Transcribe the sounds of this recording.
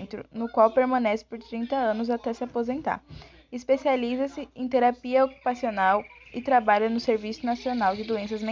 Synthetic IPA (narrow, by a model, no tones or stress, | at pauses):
nt̪ɾʊ̰nʊkwawpeɾmɐ̃nɛsɪ̥poɾt̪ɾĩnt̪ɐɐ̃nʊzat̪ɛsɪapozẽnt̪a̰ | ɪspesializɐsɪẽt̪eɾapiɐoku̥pasionawɪt̪ɾabaʎɐnʊseɾvisʊnasionawd͡ʒɪd̪oẽsɐzmẽ